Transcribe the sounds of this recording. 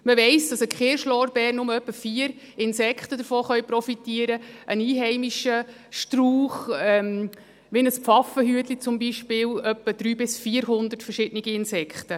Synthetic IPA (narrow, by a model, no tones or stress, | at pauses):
məʋɛɪsd̥ɑsəkχeːɾʃlɔːɾbɛːrnːʊməœpːəfiːəɾ | ɪnsɛkχtəd̪əɾfoːχœjpɾɔfitiːəɾəʔəniːɦɛɪmiʃə | ʃtruːχɛm | ʋɪnəspfɑfəɦyət̪lit͡sʊmbiʃpɪːlœpːəd̥̪ɾyːbɪsfiːəɾɦʊnd̪ətfəɾʃɪd̥niɡ̥iɪnsɛkχt̪ə